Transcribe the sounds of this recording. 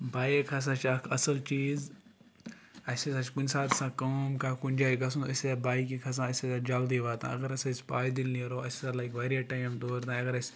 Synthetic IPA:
baːjekʰas̬at͡ʃɐkʰɐsɐlt͡ʃiːz | ɐsesat͡ʃkunsaːt̪sãːkɐmkaːkunʲd͡ʒaːiɡɐs̬ũnɐseabaːjkikʰɐs̬ãːɐsesad͡ʒɐld̪iʋaːt̪ã̰ɐ̰ɡɐɾɐsaspaːjd̪ilniɐɾoːɐsesalajkʋɐɾiɐʈaːjmd̪oːɾt̪ãːɐɡɐɾɐsʲ

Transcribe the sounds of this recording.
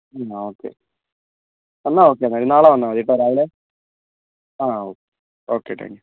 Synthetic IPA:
aoːkːḛ | ɐnːaoːk̬ːeɐnːaːiɾinaːɭaʋɐnːãʋɐðiʈːɐɾaːʋile | aːoːke | oːkːeʈːa̰ːŋɡi

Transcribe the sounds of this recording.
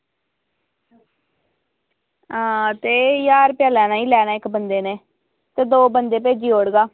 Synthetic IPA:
aːt̪eːjaːɾpjaːlɛːnaːiːlɛːnaːɪkbənd̪eːneː | t̪eːd̪oːbənd̪eːp̬eːd͡ʒiːoːɽɡaː

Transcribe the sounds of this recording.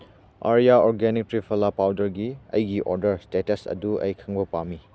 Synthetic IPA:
a̰ɾijaɔɾɡenik̚tɾipʰɐlapawdɐɾɡiɐ̰jɡiʔɔɾdɐɾstetɐsɐ̰duɐ̰jkʰaŋbɐpami

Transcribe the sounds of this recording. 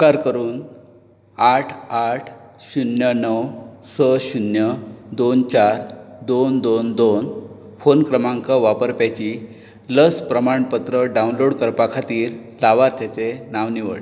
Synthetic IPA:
kaɾkəɾuːn | aʈʰaʈʰɕunjənəwsəɕunjəd̪ont͡ɕaɾd̪ond̪ond̪on | fonkɾəmãŋkəʋapəɾpjajt͡ɕi | ləspɾəmaɳpət̪ɾəɖaunloɽkəɾpakʰat̪iːɾ | laʋaɾt̪ʰjat͡senaʋniʋə̰ɭ

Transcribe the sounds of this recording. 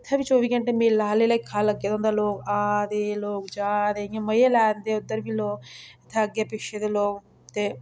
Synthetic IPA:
ɪt̪ʰːeːʋiːt͡ʃoːʋiːkəɳʈeːmelːaɦleːləikʰaːləɡːjaːd̪ɔ̃ːnd̪aːloːkaːd̪eːloːkd͡ʒaːd̪eːɪjãːməjeːlɛːnd̪eːʊd̪ːəɾbiːloːkɪt̪ʰːeəɡjaːpɪʃʰeːd̪eːloːk | t̪eː

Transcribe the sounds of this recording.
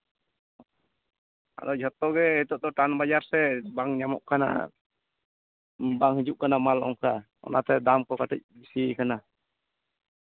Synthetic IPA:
a̰ɗɔd͡ʒʱɔt̪ːɔɡɛɛt̪ɔʔt̪ɔʈanbad͡ʒaɾsɛbaŋɲamɔ̰ʔkana̰ | baŋhid͡ʒuʔ̚kanamalɔ̰ŋka | ɔ̰nat̪ɛd̪amkɔkaʈɛc̚bisikana

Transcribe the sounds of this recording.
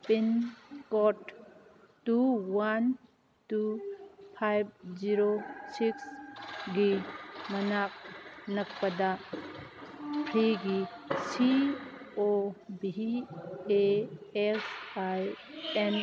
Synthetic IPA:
pinkɔt | tuwan | tupʰajb̚ziɾosiksɡimɐnak̚nɐk̚pada | pʰɾiɡisi | obi | eesaj | en

